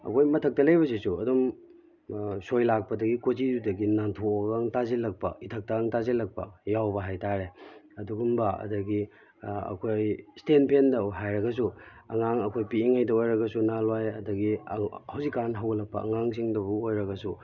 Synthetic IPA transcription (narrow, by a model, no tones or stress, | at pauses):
ɐ̰kʰojmɐtʰɐk̚tɐlɐjbɐs̬isuɐdum | sojlak̚pɐdɐɡikozizudɐɡinantʰoɡaŋtazilɐk̚pɐitʰɐk̚taŋtazilɐk̚pɐjawbɐɦajtaɾeɐduɡumbɐɐ̰dɐɡi | ɐ̰kʰojstenpʰendɐɦajɾɐɡɐs̬uɐ̰ŋaŋɐkʰojpiiŋajdɐojɾɐɡɐsunalwajɐdɐɡihɐwzikːanɦawɡɐlɐk̚pɐ̰ɐ̰ŋaŋs̬iŋdɐbuojɾɐɡɐsu